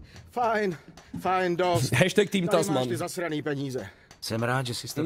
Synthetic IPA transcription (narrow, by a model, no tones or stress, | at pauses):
fajnfajndosɦɛʃt̪ɛk̚t̪iːmt̪asmat̪ɪzasɾaniːpɛɲiːzɛ | sɛmɾaːt̪ʒɛsɪs